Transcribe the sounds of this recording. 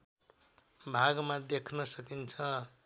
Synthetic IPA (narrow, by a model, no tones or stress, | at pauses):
bʱaɡmad̪ekʰnʌsʌkint͡sʰʌ